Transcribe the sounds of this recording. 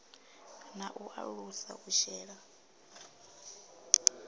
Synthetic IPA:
naʔuʔa̰ɺusa̰ʔuʃɛːɺa

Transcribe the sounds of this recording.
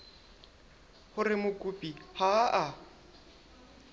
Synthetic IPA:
hʊrɪmʊkʼupʼihaʔa

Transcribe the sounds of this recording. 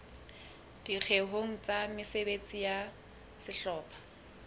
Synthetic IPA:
d̥ik͡xʰeɦoŋ̩t͡sʼamɪsebet͡sʼija | sɪɬɔːpʰḁ

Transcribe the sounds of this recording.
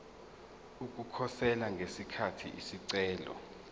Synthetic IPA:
uk̬ʼukʰɔsɛlaŋɡʱesikʰatʰḭʔisiǀɛːlɔ̰

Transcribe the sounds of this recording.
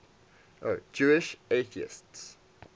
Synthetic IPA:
ʔod͡ʒuɪʃeɪθiə̰sts

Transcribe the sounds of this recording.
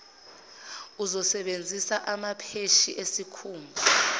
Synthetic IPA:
uzɔsɛɓend͡zʱisaʔamapʰeʃiʔesikʰuːmbʱu

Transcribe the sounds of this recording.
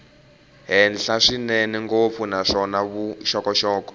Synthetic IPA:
ɦɛnɬaʂineniŋɡop̪funaʂɔnaβuʃɔkɔʃɔːkɔ̥

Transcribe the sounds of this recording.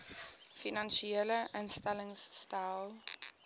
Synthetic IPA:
finanʃieləʔənstɛləŋsːtajlˠ

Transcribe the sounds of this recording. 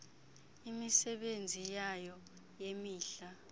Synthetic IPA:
imisɛɓend͡zʱijajɔ | jemiːɬa

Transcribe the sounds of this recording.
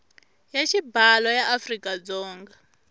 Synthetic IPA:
jaʃibalɔjaʔafrikʼad͡zɔːŋɡa

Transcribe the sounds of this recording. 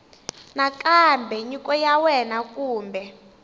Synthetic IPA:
nakʼambʱɛɲikɔjawɛnakʼuːmbʱɛ

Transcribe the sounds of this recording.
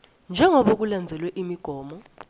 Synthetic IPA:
nd͡ʒʱɛŋʱɔɓok̬uland͡zʱɛlwɛʔimiɡ̥ʱɔːmɔ

